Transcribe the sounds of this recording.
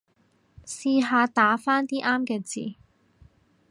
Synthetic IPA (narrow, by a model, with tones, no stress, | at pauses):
siː˧ɦaː˧t̪aː˨˥faː˥nt̪iː˥ʔaː˥mkɛː˧t͡sḭː˨˩